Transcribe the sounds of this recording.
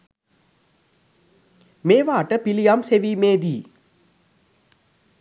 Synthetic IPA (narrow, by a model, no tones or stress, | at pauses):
meːʋaːʈəpilijamseʋiːmeːd̪iː